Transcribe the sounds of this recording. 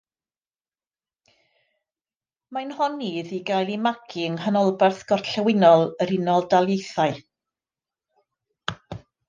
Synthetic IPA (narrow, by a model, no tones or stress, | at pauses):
manhɔnːiðiɡajlˠimaɡʰɪŋhanɔlˠbɛrθɡ̥ɔrɬɛwɪnɔlˠəɾɪnɔlˠdalˠjejθaɨ